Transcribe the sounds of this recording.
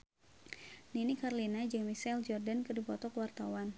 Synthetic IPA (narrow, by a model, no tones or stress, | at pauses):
ninikarlinad͡ʒəŋmisɛld͡ʒɔrdankədipɔt̪ɔkəwart̪awan